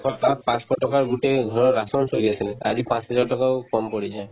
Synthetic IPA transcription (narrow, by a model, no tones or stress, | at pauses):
kʰɔpapãskɔʈɔkaɾɡuʈeɡ̪ʱɔ̃ɔɾasɔnsojɡet͡ʃʰilea̰d͡ʑipãt͡ʃɦɔd͡ʒaɾʈɔkaokɔmpɔɽid͡ʒae